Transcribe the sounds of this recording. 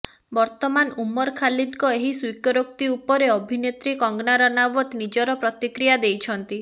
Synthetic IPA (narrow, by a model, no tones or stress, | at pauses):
bɔɾt̪ɔmanumɔɾkʰalid̪kɔeɦiswikɔɾokt̪iupɔɾeɔbʱinet̪ɾikɔŋɡnaɾɔnawɔt̪nid͡ʒɔɾɔpɾɔt̪ikɾijad̪ejt͡ʃʰɔnt̪i